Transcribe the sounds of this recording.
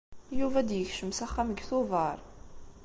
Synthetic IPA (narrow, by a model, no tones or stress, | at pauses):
juvæd̪jəçʃəmsæχːaməɡθʊvɑɾˤ